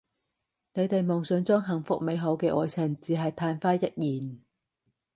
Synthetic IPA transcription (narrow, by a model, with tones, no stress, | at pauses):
ne˨˧jt̪e˨jmɔː˨˩ŋsɵ˨˧nt͡sɔː˥ŋɦɐ˨˩ŋfʊ˨˥k̚me˨˧jɦo˨˥wkɛː˧ʔɔː˨˧jt͡sʰɪ˨˩ŋt͡siː˨˧ɦɐ˨jt̪ʰaː˧nfaː˥jɐ˥t̚jiː˨˩n